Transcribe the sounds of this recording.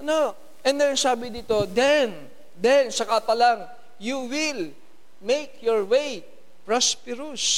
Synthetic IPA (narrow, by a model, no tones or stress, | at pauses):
ɐno | ʔɛnd̪ɛnɐsaːbɪd̪iːt̪o̞d̪ɛn | d̪ɛnsɐkat̪ɐlaŋ | juwɪl | mejkjoɹwej | pɹaspɪɾus